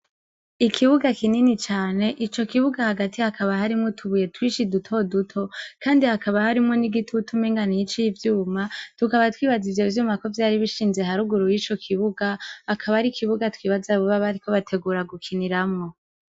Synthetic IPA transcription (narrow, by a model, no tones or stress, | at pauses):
ikʰiβuɡakininit͡ʃaːne̞ʔit͡ʃo̞kiβuɡahaɡatʰihakʰaβahaɾimŋotʰuβuje̞twiːʃidutʰo̞dutʰo̞kaːndihakaβahaɾimŋo̞niɡitʰutʰumeŋɡanijit͡ʃijivjuːmatukaβatwiːβazivje̞vjuːmako̞vjaːɾiβiʃiːnze̞ɦaɾuɡuɾujiːt͡ʃo̞kʰiβuɡaːkʰaβaɾikʰiβuɡatwiːβazaβuβaβaɾiko̞βatʰe̞ɡuːɾaɡukʰiniɾamŋo̞